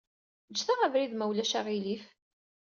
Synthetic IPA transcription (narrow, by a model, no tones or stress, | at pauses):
d͡ʒːθaʁævɾiðmæwlæʃaʁilif